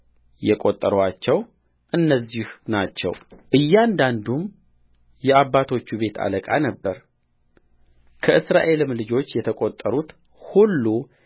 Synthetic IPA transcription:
jɛkʼo̞t̪ʼːəɾwat͡ʃːɛw | ʔɨnːəzːihnat͡ʃːɛ̰wʔɨjːand̪and̪um | jɛaβːat̪ʰo̞t͡ʃːuβe̞t̪ʰa̰ləkʼa̰nəbːəɾ | kʰəʔɨsɾa̰ʔe̞lɨmlɨd͡ʒo̞t͡ʃːjɛt̪ʰəkʼo̞t̪ʼːəɾut̪ | hulːu

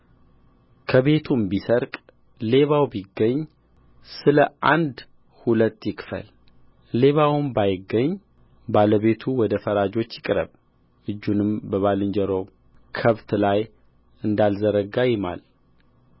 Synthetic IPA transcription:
kʰəβe̞t̪ʰumbisəɾkʼ | le̞βawbiɡːəɲː | sɨləʔand̪ | hulət̪ːjɪkfə̰l | le̞βawmbajɪɡːəɲː | baləβe̞t̪ʰuwɔd̪əfəɾad͡ʒo̞t͡ʃːjɪkʼɾə̰β | ʔɨd͡ʒːunɨmbəβalɨɲd͡ʒəɾo̞ | kʰəβt̪laj | ɨnd̪alzəɾəɡajɪma̰l

